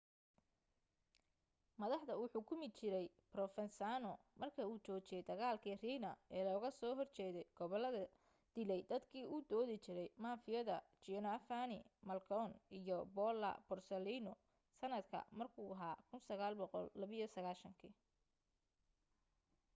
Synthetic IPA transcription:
mɐðɑħd̪ɐʊħuːkʰʊmɪd̪t͡ʃɪɾɛj | brɔfɛnsaːnɔ | mɐrkʰɐuːt͡ʃɔːt͡ʃɪjɛjd̪ɐɣaːlkʰiːriːnɐɛːlɔːɣɐsɔːɦɔrt͡ʃɛːðɛjɡ̥ɔβɔlɐðɐ | d̪̥ɪlɛjd̪ɐd̪kʰiːuːd̪ɔːðɪt͡ʃɪɾɛjmaːfɪjɐðɐt͡ʃinɐfanɪmɐlkʰɔnijɔbɔːlɐ̰bʊrsɛliːnɔ | sɐnɐd̪kʰɐ̰mɐrkʰuːɦaːkʰʊnsɐɣaːlbɔqɔ̰lːɐβɪjɔsɐɣaːʃɐŋkʰi

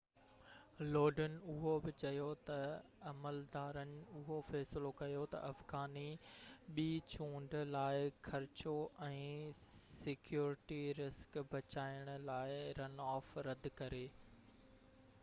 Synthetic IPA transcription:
loːɖənɪ̆ʊɦobɪt͡ɕɐjot̪ɐ | ɐməld̪aːɾənɪ̆ʊɦofɛːsɪlokɐjot̪ɐ̰ʔɐfɡaːniɓiːt͡ɕũːɳɖlaːɪxʰɐɾɪt͡ɕoʔɛ̃ːsɪkjuːɾɪʈiɾɪskbʱɐt͡ɕaːɪɽ̃ʊ̆laːɪɾɐnɔːfɾɐd̪kɐɾeː

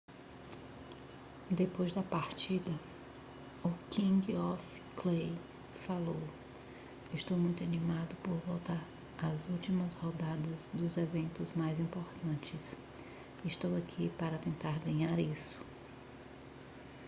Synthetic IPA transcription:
d̪epojzd̪ɐpaɾt͡ʃid̪ɐ | ʊkĩɡiɔf | klej | falow | ɪst̪owmũj̃t̪ʊanimad̪ʊpoɾvowt̪aɾ | ɐzuwt͡ʃimɐshɔd̪ad̪ɐzd̪ʊzevẽnt̪ʊzmajzĩmpoɾt̪ɐ̃t͡ʃɪs | ɪst̪owakʰipaɾɐt̪ẽnt̪aɾɡɐ̃ɲaɾisʊ̥

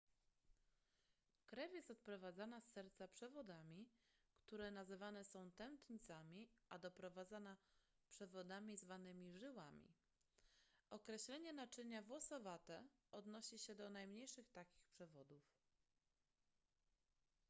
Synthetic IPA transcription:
kɾɛvʲjɛst̪ɔt̪̚pɾɔvad̪zanasːɛɾt̪sapʂɛvɔd̪amʲikt̪uɾɛnazɘvanɛsɔ̃w̃t̪ɛnt̪ɲit̪samʲiʔad̪ɔpɾɔvad̪zana | pʂɛvɔd̪amʲizvanɘmʲiʐɘwamʲḭ | ʔɔkɾɛɕlɛɲɛnat͡ʂɘɲavwɔsɔvat̪ɛɔd̪nɔɕiɕɛd̪ɔnajmɲejʂɘxt̪akʲi̥xpʂɛvɔd̪uf

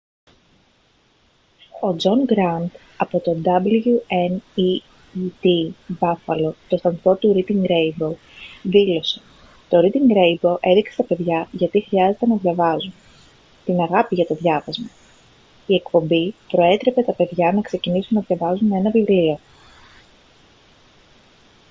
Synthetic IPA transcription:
o̞d͡zo̞ŋɡɾɐnd̪ | ɐpo̞t̪o̞d̪ɐblʝueni | it̪ibɐfɐlo̞t̪o̞st̪ɐnθo̞t̪uɾit̪iŋɡɾejbow | ðilo̞se̞̥ | t̪o̞ɾit̪iŋɡɾe̞jbo̞ʔe̞ðiksest̪ɐpe̞ðʝɐʝɐt̪ixɾiɐze̞t̪e̞nɐðʝɐvɐzun | t̪inɐɣɐpiʝɐt̪o̞ðʝɐvɐzmɐ | ie̞kpo̞mbipɾo̞e̞t̪ɾe̞pe̞t̪ɐpe̞ðʝɐnɐkse̞cinisunːɐðʝɐvɐzune̞nɐvivlio̞

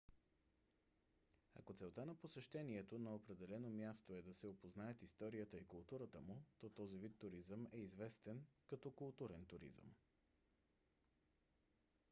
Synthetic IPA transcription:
ɐ̰kot̪sɛlˠt̪anɐposɛʃt̪ɛniɛt̪onɐopɾɛd̪ɛlɛnomjast̪oɛd̪ɐsɛopoznaɛt̪ist̪ɔɾijət̪əikʊlˠt̪uɾət̪əmʊt̪ɔt̪ɔzivit̪ːʊɾizəmɛizvɛst̪ɛnkɐt̪ɔkʊlˠt̪uɾɛnt̪uɾḭzə̰m

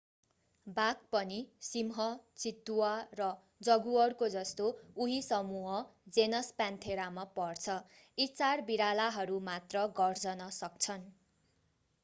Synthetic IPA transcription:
bak̚pʌnisimɦʌt͡sit̪ːuwarʌ | d͡zʌɡuʌrkod͡zʌst̪ouɦisʌmuɦʌd͡zenʌspant̪ʰeɾamapʌrt͡sʰʌ | it͡sarbiɾalaɦʌɾumat̪rʌɡʌrd͡zʌnʌsʌk̚t͡sʰʌn

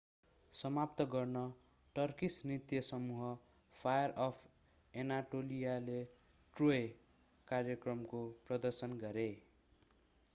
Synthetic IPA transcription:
sʌmapt̪ʌɡʌrnʌ | ʈʌrkisnit̪jʌsʌmuɦʌ | pʰajʌrʌpʰ | enaʈolijale | ʈroe | karjʌkrʌmkoprʌd̪ʌrsʌnɡʌɾe

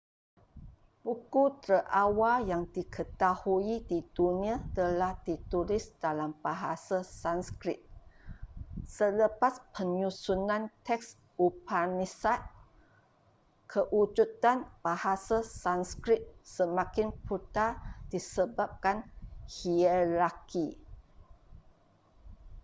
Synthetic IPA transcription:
pukut̪ɾəʔawajaŋdikʰət̪ahuidid̥unĩat̪əlahdit̪ulisd̥alamb̥aɦasasanskɾɪt̪̚ | sələpaspʰəɲusunãnt̪ʰɛks | upanisat̪̚ | kʰəʔud͡ʒut̪anb̥ahasasanskɾɪt̪̚səmãkɪnput̪ad̥isəbap̚kanhiəlaki

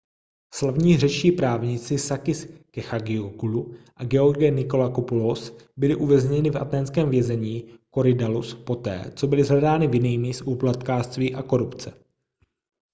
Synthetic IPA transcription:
slavɲiːrɛt͡ʃt͡ʃiːpɾaːvɲɪt͡sɪsakɪskɛxaɡɪoɡuluʔaɡɛoɾɡɛnɪko̞lakopulosbɪlɪʔuvɛzɲɛnɪfʔa̰t̪ɛːnskɛːmvjɛzɛɲiːko̞ɾɪdaluspo̞t̪ɛ̰ːt͡so̞bɪlɪzɦlɛdaːnɪvjɪniːmisʔuːplat̪kaːst̪viːʔako̞ɾupt͡sɛ

